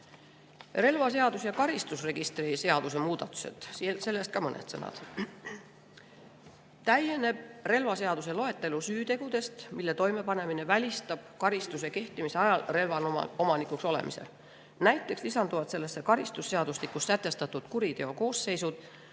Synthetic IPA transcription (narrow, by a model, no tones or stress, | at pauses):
re̞lvɑse̞ɑd̪usjɑkɑɾist̪usre̞ɡ̥ist̪riseɑd̪̥use̞muːd̪̥ɑt̪ːˑu̥se̞̰t̪silse̞lːe̞st̪kɑmɤnḛt̪sɤnɑ̰d̪̥ | t̪æjene̞b̥̚re̞lvɑse̞ɑd̪̥use̞lo̞e̞t̪ːˑe̞lusyːt̪e̞ɡ̥ud̪̥e̞st̪milːe̞t̪o̞jme̞pɑne̞mine̞vælʲist̪ɑb̥̚kɑɾist̪use̞ke̞ht̪imise̞ɑjɑlre̞lvɑn̰o̞mɑnikˑukso̞le̞̰mḭse̞̰l | næjt̪ˑːe̞kslisɑnd̪uvɑt̪se̞lːesːekɑɾist̪usːe̞ɑd̪̥uslikusːæt̪ːˑe̞st̪ɑt̪ːˑud̪̥kuɾit̪e̞o̞ko̞ːsːe̞jsud̪̥